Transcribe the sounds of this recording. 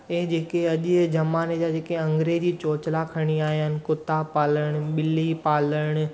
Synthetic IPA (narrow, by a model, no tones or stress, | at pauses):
eɦd͡ʑeːkeɐʄd͡ʑɐmaːned͡ʑad͡ʑeːkeɐ̃ŋɡɾeːd͡ʑit͡ɕoːt͡ɕlakʰɐɽ̃iaːɦijnɪ̆kʊt̪apaːləɽ̃ɓɪlipaːləɽ̃